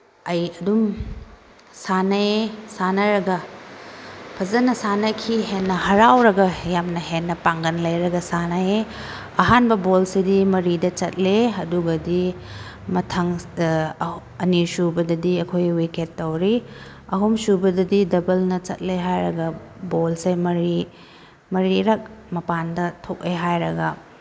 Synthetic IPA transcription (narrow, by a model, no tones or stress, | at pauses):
ɐjɐdum | sanɐesanɐɾɐɡɐ | pʰɐzɐnɐsanɐkʰiɦenːɐhɐɾawɾɐɡɐjamnɐɦenːɐpaŋɡɐnlɐjɾɐɡɐsanae | ɐɦanbɐbolsidimɐɾidɐt͡ʃɐt̚leɐduɡɐdi | mɐtʰɐŋ | ɐnisubɐdɐdiɐkʰojwiketːɐwɾi | ɐɦumsubɐdɐdidɐbɐlnɐt͡ʃɐ̰t̚leɦajɾɐɡɐbolsejmɐɾi | mɐɾiɾɐk̚mɐpandɐtʰok̚eɦajɾɐɡɐ